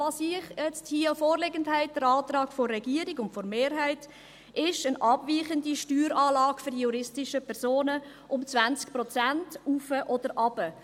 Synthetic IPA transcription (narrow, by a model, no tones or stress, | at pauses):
vɑːsiəχjɛt͡sthiːəfoːɾleɡəndthæɪt̚d̥əɾɑːtrɑːkfɔrːɛɡiəɾiɡʊntfɔɾmeːɾɦæɪt | ɪʃənʔɑb̥viːχəndiʃtyːɾɑːlɑːɡfʏɾdjuɾɪstɪʃəpʰɛɾsoːnə | ʔʊmt͡svænt͡sk̚prɔt͡sæntufəʔɔd̥əɾʔɑb̥ə